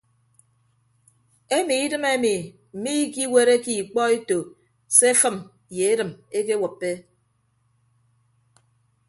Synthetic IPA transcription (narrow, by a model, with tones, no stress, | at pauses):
e˦mi˨i˦dɨ˦me˦mi˨ | m̩˨mi˦ki˦we˦ɾe˦ki˨k͡pɔ˦e˦to˨ | se˦fɨ˦m˨ | je˨e˦dɨ˨me˦ke˦wɔ˨pːe˦